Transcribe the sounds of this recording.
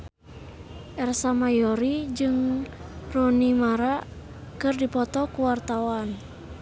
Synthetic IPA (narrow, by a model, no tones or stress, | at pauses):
ʔɛrsamajɔɾid͡ʒɨŋ | runimaɾa | kɨrdipɔt̪ɔkuwart̪awan